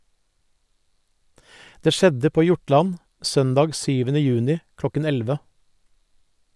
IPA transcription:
ˈdeː ˈʃɛdə ˈpoː ˈjʊˌʈlɑn ˈsœndɑːɡ ˈsyːʋənə ˈjʉːnɪ ˈklɔkən ˈɛlʋə

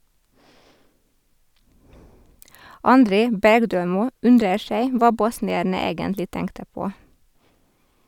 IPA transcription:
ɑnˈdɾeː ˈbæɾɡˌdøːˌmuː ˈʉndɾəɾ ˈʃæɪ ˈʋɑː ˈbɔsnɪæɾnə ˈeːɡəntlɪ ˈtɛŋktə ˈpoː

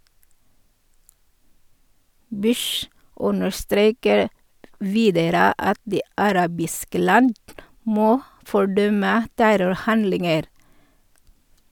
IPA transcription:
ˈbʉʃ ˈʔʊnəɾˌstɾeːkəɾ ˈʋiːdəɾə ˈɑt ˈdiː ɑˈɾɑːbɪskə ˈlɑnd ˈmoː fɔˈɖœmə ˈtæɾʊɾˌhɑndlɪŋəɾ

